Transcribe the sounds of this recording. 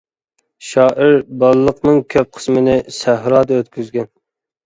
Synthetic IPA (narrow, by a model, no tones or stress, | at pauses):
ʃɑːʔɪɾbɑlˠlˠəqnɨŋkʲʰøp̚qʰə̥smɨnɪsæɦɾɑːd̪ɑøt̪kʲʰyzɡʲɛn